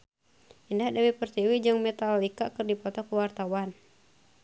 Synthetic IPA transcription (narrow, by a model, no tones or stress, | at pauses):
ʔindahdawipərst̪iwid͡ʒɨŋmɛt̪alikakɨrdipɔt̪ɔkuwart̪awan